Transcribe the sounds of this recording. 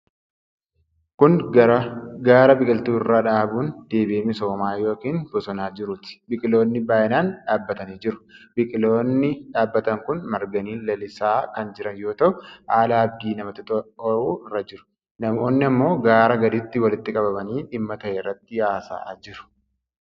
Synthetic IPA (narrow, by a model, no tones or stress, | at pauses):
kʊn | ɡaːɾɐbɪkʼɪlt̪uːɪrːaᶑaːbuːnd̪̥e̞ːbɪeːmɪso̞ːmaːjo̞ːkiːnbɔsɔnaːd͡ʒɪɾʊt̪ɪ̥bɪkʼɪlo̞ːnːɪbaːjɪnaːnᶑaːbːɐt̪ɐniːd͡ʒɪɾʊ̥bɪkʼɪloːnːɪᶑaːbːɐt̪ɐŋkʊnmɐɾɡɐniːnlɐlɪsaːkɐnd͡ʒɪɾɐnjo̞ːt̪ɐʔʊaːlaːɐb̚d̪iːnɐmɐt̪ɪt̪ʼɔʔuːɪrːɐd͡ʒɪɾʊ̥ | nɐmoːnːɪɐmːo̞ːɡaːɾɐɡɐd̪ɪt̪ːɪwɐlɪt̪ːɪkʼɐbɐbɐniːᶑɪmːɐt̪ɐʔɛrːɐt̪ːɪjaːsa̰d͡ʒɪɾʊ̥